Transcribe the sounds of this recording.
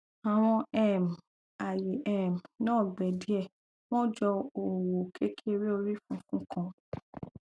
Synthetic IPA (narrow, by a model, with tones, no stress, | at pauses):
a˨w̃ɔ̃˧ɛ˦˨m˨ | a˨je˨ʔɛ˨m˨nãː˦˨ɡ͡bɛ˨di˨˦ɛ˦˨ | w̃ɔ̃˦d͡ʒɔ˧o˨wo˨kʰe˦kʰi˦e˧ɾe˦o˧ɾi˦fũ˧˦fũ˦kʰã˧